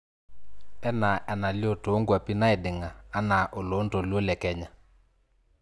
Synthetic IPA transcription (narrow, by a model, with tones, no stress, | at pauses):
ɛ˦na˨ʔɛ˨na˨ljo˦˨to˨˦ŋɡwa˨pi˦na˦ɪ˨dɪ˨ŋaː˨˦na˨ʔo˨lo˨˦nto˨lwo˦lɛ˨kɛ˦ɲa˨